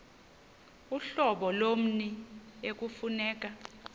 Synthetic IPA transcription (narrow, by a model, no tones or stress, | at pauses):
uɬɔɓɔlom̩niek̬ufunɛːk̬ʼa